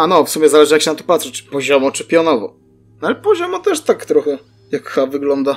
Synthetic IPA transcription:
anɔfsumʲɛzalɛʐɨjakɕɛnat̪ɔ̥pat̪ʂɛt͡ɕpɔʑɔmɔt͡ʂɘpʲjɔnɔvɔ̰ | nalɛpɔʑɔmɔt̪ɛʂt̪akt̪ɾɔxɛ | jakxavɘɡlɔnd̪a

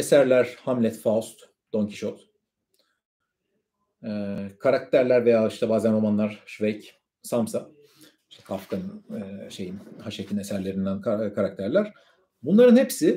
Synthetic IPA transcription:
e̞sæɾlʲæɾ̥hamlʲɛt̪faust̪ | d̪̥oɲcʰi̥ʃot̪ | ɛːkʰaɾak̚t̪ʰæɾlʲæɾve̞jaːiʃt̪ʰɛbaːzænɾo̞manlˠaɾ̥ʃvejc | samsa | i̥ʃt̪ʰɛ̥kʰafkʰanɯʃe̞jinhaʃecʰine̞sæɾlʲe̞ɾind̪ænkʰaɾak̚t̪ʰæɾlʲæɾ̥ | bunlˠaɾɯnhepsɪ

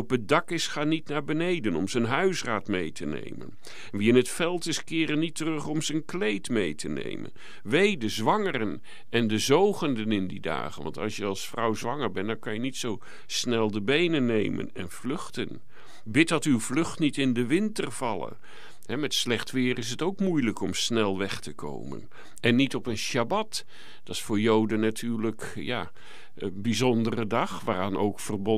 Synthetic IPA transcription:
ɔpədɑkɪsχaːnitnaːɹbənejdənɔmzənɦœɥsraːtmejtənḛjmə̰n | nʋiɪnɦətfɛlˠtɪskɪːɾənitərɵχɔmzənklejtmejtʰənḛjmə̰n | ʋejdəzʋɑŋərən | ɛndəzowχəndənɪndida̰ːχənʋɑ̰ntɑ̰lˠsjəɑlˠsfrɑwzʋɑŋəɹbɛntdɑŋkɑnjənitsow | snɛlˠdəbejnənːejmə̰nɛ̰nv̥lɵχtən | bɪt̚dɑtywvlɵχtnitɪndəʋɪntərv̥ɑlˠə̰ | ɦɛmɛtslɛχtʋɪːrɪs̬ətowkmujləkɔmsnɛlˠʋɛχtəkʰo̰wmə̰n | ɛnːitɔpənʃabɑt | d̥ɑɪsfʊːɹjowdənːatʰyːɹlək | ja | əbizɔndərədɑχʋaːraːnowkfərbɔ

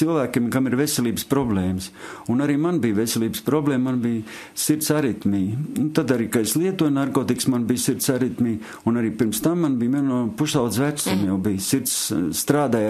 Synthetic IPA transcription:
silˠvæːkʲemkamiɾvesʲɛlʲˠiːbəspɾɔbleːmsunaɾiːmanbijʋesʲelˠiːbəspɾɔbleːmːmanbij | siɾt̪saɾit̪miːnut̪ad̪aɾiːkaeslˠiɛt̪uɔjnaɾkoːt̪iksmanbijsiɾt̪saɾit̪miː | unaɾiːpiɾmst̪amːanbijminnuɔpuʃald̪zvætsumjawbijsiɾt̪ssːt̪ɾaːd̪aːj

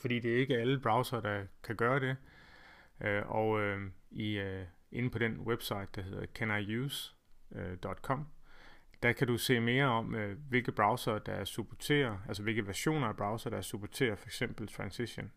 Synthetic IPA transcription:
fɒd̥ḭːd̥e̝æɐe̝ɡ̥əæləb̥ʁɑ̈ʊsɐːd̥ɑ̈kʰæɡ̥ɶːɐɾ̥e̝ | øʔɒʊøi | ʔe̝nəpʰɒ̽ɾ̥enweb̥sɑ̈ɪd̥ːɑ̈ɦe̝ð̰ˠɐðˠkʰænɑ̈ɪus | d̥ɒ̽d̥kʰɒ̽m̰ | d̥æ̈kʰæd̥use̝̰ːme̝ːɐɒ̽møʋe̝lɡ̥əb̥ʁɑ̈ʊsɐːd̥ɑ̈æɐsub̥ʰot͡sʰe̝̰ːɐælsɒʋe̝lɡ̥əʋæɐɕo̝̰ːnɐæɐb̥ʁɑ̈ʊsɐːɾ̥ɑ̈æɐsub̥ʰot͡sʰe̝̰ːɐfɒ̽eɡ̥sem̰b̥l̩t͡sʰʁɑ̈nsiɕo̝n

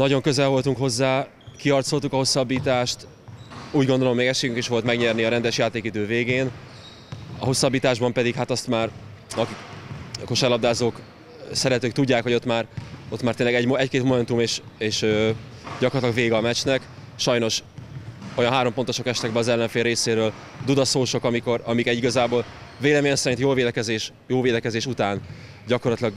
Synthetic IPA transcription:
nɒɟo̞ŋkøzɛlvo̞lt̪uŋkɦo̞zːaː | kiɒrt̪so̞lt̪ukɒɦo̞sːɒbːiːt̪aːʃt̪ | uːɟɡo̞nd̪o̞lo̞mːeɡɛʃeːɡyŋkeːʃʋo̞lt̪mɛɡɲɛrniɒɾɛnd̪ɛʃjaːt̪eːkid̪øːveːɡeːn | ɒ̰ɦo̞sːɒbːiːt̪aːʒbɒmpɛd̪ikhat̪ɒst̪maːr | ɒkikɒko̞ʃɛlɒbd̪aːzoːk | sɛɾɛt̪øːk̚t̪uɟːaːkhoo̞t̪maːro̞t̪maːrt̪eːnlɛɡɛɟmɛckeːt̪mo̞mɛnt̪umeːʃ | eːʃø | ɟɒkorɒt̪lɒɡveːɡɒmɛt͡ʃnɛk | ʃɒjno̞ʃ | o̞jɒnɦaːɾo̞mpo̞nt̪o̞ʃo̞kɛʃt̪ɛɡbɛɒzɛlːɛɱfeːlːeːseːɾøːl | d̪ud̪ɒsoːʃo̞kɒmiko̞ɾɒmikɛɟiɡɒzaːboːlveːlɛmeːɲɛnsɛɾint̪joːveːd̪ɛkɛzeːʃ | joːveːd̪ɛkɛzeːʃut̪aːn | ɟɒkorɒt̪lɒɡ

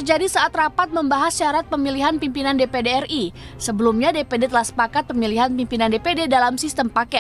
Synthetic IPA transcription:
t̪ərd͡ʒadisaat̪rapat̪̚məmbaɦasʃaɾat̪̚pəmiliɦanpimpinandepedeɛrisəbəlumɲadepedet̪əlahsə̥pakat̪̚pəmiliɦanpimpinandepededalamsist̪əmpakɛ

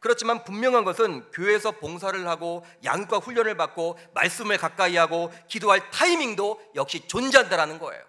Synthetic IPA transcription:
kɯɾʌt͡ɕʰimanpummjʌŋɦanɡʌsʰɯnkjoesʰʌpoŋsʰaɾɯɭhaɡo | ja̰ŋk͈waɸuʎːʌnɯɭpak̚k͈oma̰ɭs͈ɯmɯɭkak͈aiɦaɡokidoɦaɭtʰaimiŋdojʌk̚ɕ͈it͡ɕond͡ʑiɦandaɾanɯnɡʌḛjo̰

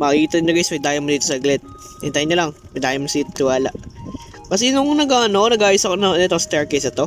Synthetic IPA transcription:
mɐkkiːt̪ɐnɲɐɡesmɐd̪aːjɐmːod̪iːt̪osɐʔɡlɛt̪̚ | ɛnt̪ajɲɐlɐŋ | mɐd̪aːjɐmːosit̪t̪ɪwaːlaʔ | kɐs̬ɛnʊŋnɐɡaːʔɐnoʔnɐɡʔaːjʊsɐkonɐnɛt̪ost̪ɛɹkejsɐt̪o̞

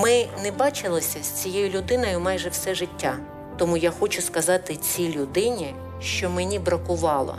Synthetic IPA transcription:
mɪnɛbɑt͡ʃɪlˠɪsʲɐsʲt͡sʲijejʊlʲʊd̪ɪnɔjʊmɑjʒɛwsɛʒɪtʲːa | t̪ɔmujaxɔt͡ʃʊskɐzɑt̪ɪt͡sʲilʲʊd̪ɪnʲi | ʃt͡ʃɔmenʲibɾɐkʊʋɑlˠɔ̰

